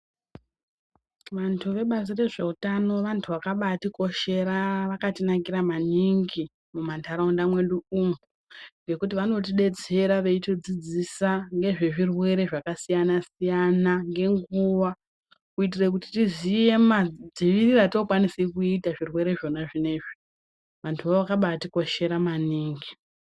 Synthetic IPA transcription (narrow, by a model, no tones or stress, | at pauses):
ʋantʰuʋe̞ɓazire̞ʐe̞utano̞ʋantʰuʋakaɓatiko̞ʃe̞ɾaʋakatinakiɾamaniŋɡi | mumantʰaɾaundamwe̞ɗuum | ŋɡe̞kut̬iʋano̞t̬iɗe̞t͡se̞ɾaʋe̞itod͡zid͡zisaŋɡe̞ʐe̞ʐirwe̞ɾe̞ʐakasijanasijanaŋɡe̞ŋɡuʋa | kuit̬irekuti̥tizije̞mad͡ziʋiriratokwanisekuitaʐirwe̞ɾe̞ʐo̞naʐine̞ʐi | ʋantʰuʋaoʋakaɓatiko̞ʃe̞ɾamaniːŋɡi